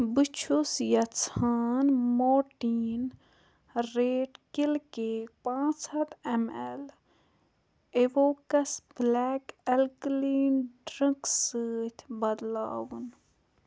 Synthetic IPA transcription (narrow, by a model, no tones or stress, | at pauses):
bit͡ʃʰusjɐt͡sʰaːnmoːʈiːn | ɾeːʈkilkepãːt͡sɐt̪emel | eʋoːkɐsblɛːkelkliːnɖɾə̃ksəːt̪ʰbɐd̪la̰ːwun